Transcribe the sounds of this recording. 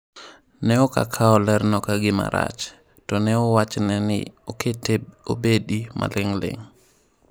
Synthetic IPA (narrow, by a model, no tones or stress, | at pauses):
nɛɔka̰kʰaɔlɛɾnɔkaɡɪma̰ɾa̰t͡ʃ | tɔnɛɔwat͡ʃnɛnɪ̰ɔkʰeteo̰bedimʔa̰lɪŋlɪ̰ŋ